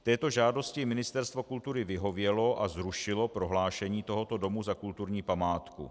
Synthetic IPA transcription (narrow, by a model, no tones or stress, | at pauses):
t̪ɛːt̪o̞ʒaːdo̞scɪmɪnɪst̪ɛɾst̪vo̞kult̪uɾɪvɪɦo̞vjɛlo̞ʔazɾuʃɪlo̞pɾo̞ɦlaːʃɛɲiːt̪o̞ɦo̞t̪o̞do̞muzakult̪uɾɲiːpamaːt̪kṵ